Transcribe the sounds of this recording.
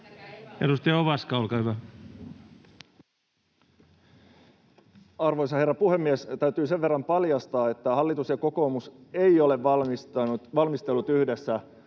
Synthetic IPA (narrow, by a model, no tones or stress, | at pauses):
edust̪eɑoʋɑskɑolkɑˑhyʋæ | ɑrʋojsɑhe̞rːɑpuhemːiest̪æɥt̪yːse̞ʋʋe̞rːɑmpɑljɑst̪ɑːe̞t̪ːæhɑlːit̪usjɑko̞ko̞ːmuse̞io̞le̞ʋsɑuʋɑlmist̪elːut̪yhde̞sːæ